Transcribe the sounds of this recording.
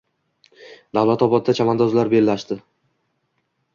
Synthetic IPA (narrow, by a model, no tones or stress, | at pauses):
d̪awlat̪ɒbɒd̪̚d̪at͡ʃʰamand̪ɒzlaɾbe̞lːaʃd̪ɪ